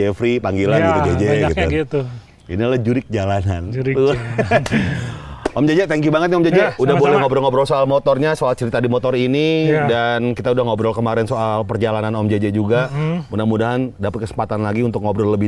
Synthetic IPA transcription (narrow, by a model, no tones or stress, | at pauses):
ɛfɾipaŋɡilanɡiud͡ʒed͡ʒɛɡit̪uit̪u | ḭnilahd͡ʒuɾɪk̚d͡ʒalananɾt̪u | ʔɔmd͡ʒad͡ʒɛt̪aŋkjubaŋət̪̚niɔmd͡ʒad͡ʒɛudahbolɛhŋobɾɔlŋɔbɾɔlsoalmot̪ɔrɲasoalt͡ʃəɾit̪adimɔt̪ɔɾinidankit̪audahŋɔbɾɔlkəmaɾɛnsoʔalpərd͡ʒalananɔmd͡ʒed͡ʒɛd͡ʒuɡamunamudaɦandapat̪̚kəsə̥mpat̪anlaɡiunt̪ʊk̚ŋɔbɾɔlːəbɪ